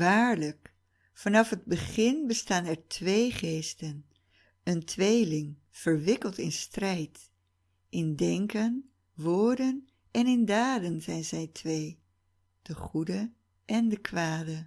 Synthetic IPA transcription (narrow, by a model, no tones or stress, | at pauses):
ʋaːɹlək | fɑnɑfɦəd̚bəχɪnbəstaːnɛɹtʰʋejχejstən | əntʋejlɪŋ | v̥əɹʋɪkəlˠtɪ̰nstrɛjt | ʔɪndɛŋkən | ʋʊːɹdən | ʔɛnɪndaːdənzɛjnzɛjtʰʋej | d̥əχudə | ʔɛndəkʋaːdə